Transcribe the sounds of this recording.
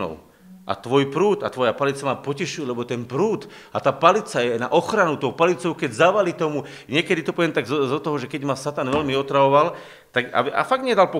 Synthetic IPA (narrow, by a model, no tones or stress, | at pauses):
ɔ̰ʊ | ʔa̰t̪ʋɔjpɾuːd̪a̰t̪ʋɔjapalit͡samapɔcɛʃujɛlɛbɔt̪ɛnpɾuːt̪ | at̪aːpalit͡sajɛna̰ʔɔxɾanut̪ɔʊpalit͡sɔʊkɛɟzaʋalit̪ɔmu | ɲɪɛkɛd̪it̪ɔpɔʋɪɛmt̪aɡzzɔt̪ɔɦɔʒɛkɛɟmasat̪anʋɛʎmiɔt̪ɾaʋɔʋal | t̪aɡa̰ba̰faɡ̚d̪ɲɛd̪alpɔ